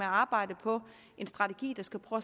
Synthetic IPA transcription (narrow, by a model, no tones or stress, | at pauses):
eæɑ̈ːb̥ɑ̈ɪ̰d̥əpʰɒ̽ | ʔe̝nsd̥ʁɑ̈t͡sʰeɡ̥ḭːd̥ɑ̈sɡ̥æpʰʁœː